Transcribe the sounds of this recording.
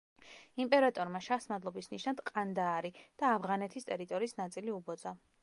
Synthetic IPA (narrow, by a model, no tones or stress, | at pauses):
impʼɛɾat̪ʼɔɾmaʃasmad̪lˠɔbisniʃnad̪̥qʼand̪aːɾid̪̥aːvʁanɛt̪ʰist̪ʼɛɾit̪ʼɔɾiːsnat̪sʼiliubɔd̪z̥a